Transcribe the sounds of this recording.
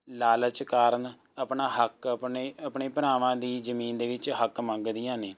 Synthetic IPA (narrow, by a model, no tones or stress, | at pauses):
laːlət͡ʃkaːɾən | əpɳaːɦəkpeəpɳeːpəɾaːʋãːd̪iːzəmiːnd̪eːʋɪt͡ʃɦəkmə̃ŋɡd̪ijãːneː